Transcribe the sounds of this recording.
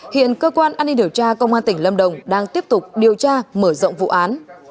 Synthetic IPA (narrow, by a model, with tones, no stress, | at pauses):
hḭ˧˨ənkəː˧kwaː˧nʔaː˧ni˧ɗi˨˩əwt͡ɕaː˧kə˧wŋ͡mʔaː˧nt̪ï˧˩ŋ̟lə˧mɗə˨˩wŋ͡mɗaː˧ŋt̪i˦˥əp̚t̪ʊ˨˩k͡p̚ɗi˨˩əwt͡ɕaː˧məː˧˩zo̰˧˨wŋ͡mvṵ˧˨ʔaː˨˦n